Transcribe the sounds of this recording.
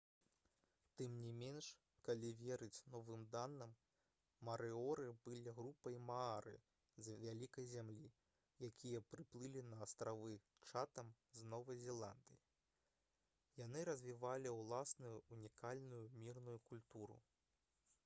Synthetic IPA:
t̪ɨmnʲimʲenʂ | kalʲivʲeɛɾɨt͡sʲnɔvɨmd̪anːɐmː | ɐɾɨɔɾɨbɨlʲiɣɾupɐjmaaɾɨ̰ | zʲvʲalʲikɐjzʲamlʲi | jakʲʰijɐpɾɨplˠɨlʲinɐːst̪ɾavɨ | t͡ʂat̪ɐm | znɔvɐjzʲɛlˠand̪ɨji | janɨɾɐzʲvʲivalʲiwlˠasnujuunʲikalʲnujumʲirnujukulʲt̪uɾṵ

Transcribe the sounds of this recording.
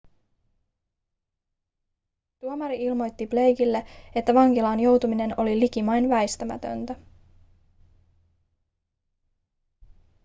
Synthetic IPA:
t̪uomɑɾiilmo̞jt̪ːible̞jkilːe̞e̞t̪ːæʋɑŋkilɑːnjo̞wt̪umine̞no̞lilik̟imɑjnʋæjst̪æmæ̰t̪ø̞̰nt̪æ

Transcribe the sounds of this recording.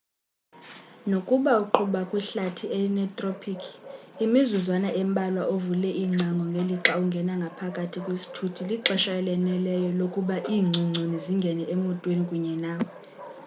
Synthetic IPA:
nokʼuɓauǃʰuɓakʼwiɬatʰieinɛtʼropʰikʰimizuzwanaʔɛmbʼʱalwaʔovulɛʔiːŋ͡ǀʱaŋɡʱɔŋɡʱeliǁauŋɡʱɛnaŋɡʱapʰakʼatʰikʼwesi̥tʰutʰiliǁɛʃaɛlɛnɛlɛjɔlokʼuɓaʔiːŋ͡ǀʱuŋ͡ǀʱuniziŋɡʱɛnɛemɔntʼwenikʼuɲɛnaːwɔ

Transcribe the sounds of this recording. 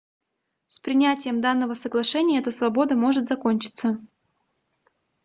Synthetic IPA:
spɾʲɪnʲætʲɪjəmd̪anːəvəsəɡlˠɐʂɛnʲɪjəɛt̪əsvɐbo̞d̪əmo̞ʐɨt̪zɐko̞nʲt͡ɕɪ̥t̪sə

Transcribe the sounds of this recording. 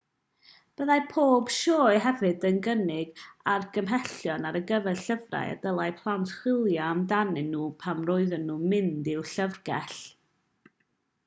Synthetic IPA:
b̥əðajpʰoːb̥ʃoːɨɦɛvɨdənɡənɪɡarɡəmɦɛɬjɔnaɾəɡəvɛɬəvra̰ja̰dəlˠaɨpʰlˠantʰχwɪlˠjaamdanɨnːuːpʰamroɨðənːumɪndɪwɬəvɡɛɬ

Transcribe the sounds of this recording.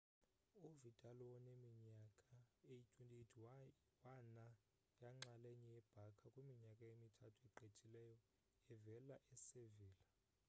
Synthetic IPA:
ovidʱʼalɔwɔnemiɲakʼaejit͡ʃʼuntʼiitʰ | wana | jaŋ͡ǁaleɲɛjɛb̥ʱakʰakʼwemiɲakʼaemitʰatʰuɛǃʱet͡ʃʼilɛjɔ | ɛvɛlaʔɛseviːla

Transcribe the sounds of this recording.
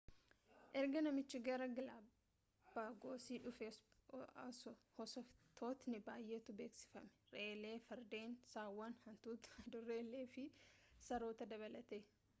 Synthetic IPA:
ʔɛɾɡɐnɐmɪt͡ʃːɪɡɐɾɐɡɐlaː | b̥aːɡo̞ːsiːᶑʊfesɐsɔhɔsɐft̪ʰo̞ːt̪nɪbaːjːe̞ːt̪ʊbe̞ːksɪ̥fɐmɛ̥ɾeːle̞ːfɐɾd̪eːnsaːwːɐnhɐnt̪uːt̪ɐd̪ʊreːlːeːfɪsɐɾo̞ːt̪ɐd̪ɐβɐlɐt̪e̞ː

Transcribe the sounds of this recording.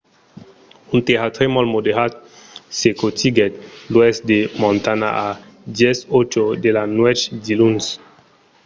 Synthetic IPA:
unt̪eɦat̪ɾemɔlmod̪eɦat̪̚sekot̪iɡɛt̪loɛsd̪emɔ̃nt̪ana̰ʔa | d̪jɛsot͡ʃod̪elanwɛt͡ʃd̪iluns

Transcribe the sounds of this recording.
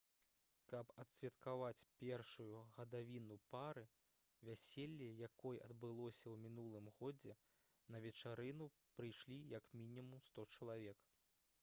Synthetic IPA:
kɐpɐt̪sʲvʲɐt̪kavat͡sʲpʲɛrʂujuɣɐd̪avʲinupaɾɨ | vʲasʲelʲːijakɔjʔɐd̪bɨlˠɔsʲɐwmʲin̪ulˠɨmɣɔd͡zʲɛ | nɐvʲɛt͡ʂaɾɨnu | pɾɨjʂlʲijɐkmʲinʲimumst̪ɔt͡ʂɐlˠavʲɛk

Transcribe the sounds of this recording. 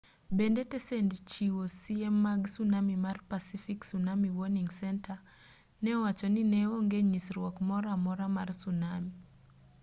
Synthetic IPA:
bendetɛsɛndt͡ʃiwosiɛmːaɡsunamimarpasifiksunamiwɔniŋsɛntʰa | nɛwat͡ʃɔninɛoŋɡeɲisɾwɔkmɔɾamɔɾamarsunami

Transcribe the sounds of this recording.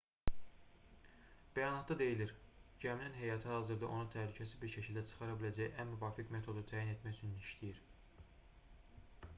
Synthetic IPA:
b̥æjɑnɑt̪d̪ɑd̪e̞jiliɾɟæminænɦejɑt̪ʰɯhɑzɯɾd̪ɑʔo̞nut̪ʰælycʰæsibiɾʃʰecʰilʲd̪æt͡ʃʰɯ̥χɑɾɑbilæd͡ʒæjʔænmyvɑːfikmet̪ʰo̞d̪ut̪ʰæːjinet̪mæjt͡ʃʰyniiʃt̪ʰijiɾ

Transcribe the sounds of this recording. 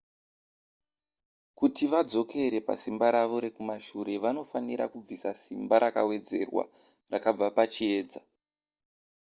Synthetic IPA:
kutiʋad͡zo̞kʰe̞ɾe̞pa̰simbaɾaʋo̞ɾe̞kumaʃuɾe̞ʋano̞faniɾa̰kub͡visasimbaɾaka̰we̞d͡ze̞̰rwa̰ | rakab͡vapat͡ʃie̞ːd͡za

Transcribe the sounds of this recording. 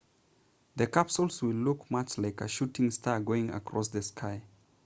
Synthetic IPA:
ðəkapsəlˠswilːukmat͡ʃlaɪkəʃutɪ̃ŋstʰaɡoɪ̃ŋa̰kʰɹɔsðəskʰaɪ

